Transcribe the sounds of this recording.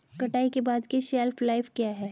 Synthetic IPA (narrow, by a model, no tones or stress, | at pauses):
kɐʈaːikebaːd̪kiʃɛːlflaɪfkjaːɦɛː